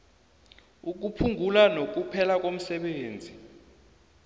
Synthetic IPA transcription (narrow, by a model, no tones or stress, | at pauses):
uk̬upʰuŋʱulanok̬upʰɛlak̬om̩sɛɓeːnd͡zʱi